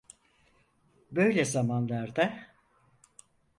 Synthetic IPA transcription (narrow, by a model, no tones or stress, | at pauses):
bø̞jlʲɛzamanlˠaɾd̪a